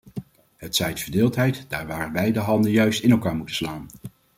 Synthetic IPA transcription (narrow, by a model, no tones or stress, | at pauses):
ɦətsɛjtfəɹdɪːlˠtɦɛjtd̥aːɹʋaːrənbɛjdəɦɑndənjœɥstɪnɛlˠkaːɹmutə̥slaːn